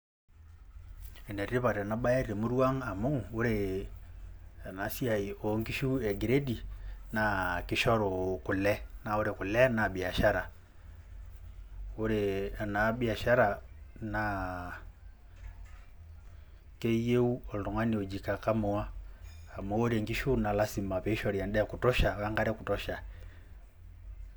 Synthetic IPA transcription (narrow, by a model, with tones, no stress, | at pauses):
e˨ne˨ɾi˦βa˨ɾna˦ɓa˦je˦ɾe˨mu˦ɾu˦wa˦ŋa˨mo˦u˨wo˦ɾe˨ | a˨na˨si˦ja˨ji˨o˨˦ŋ˦ki˦ʃu˦e˨ɡi˨ɾe˦di˨na˦˨ki˦ʃo˦ɾo˨ku˨lːe˦na˨˦wo˦ɾe˨ku˨le˦na˨ɓi˨a˨ʃa˦ɾa˨ | u˦ɾe˨a˨na˨bi˦a˨ʃa˦ɾa˨na˨ | ke˦je˦u˦ɔ˨lɾɔ˨ŋwa˦ni˨ɔ˨d͡ʒi˨ka˨ka˦mɔ˨˦wa˦a˨mɔ˦ɾe˨ŋɡi˦ʃu˦na˨la˦si˨ma˨pɛ˨i˦ʃɔ˦˨ɾi˨ja˨ndɛ˦a˨ku˨tɔ˦ʃa˨ja˦ŋɡa˦ɾɛ˦ku˨tɔ˦ʃa˨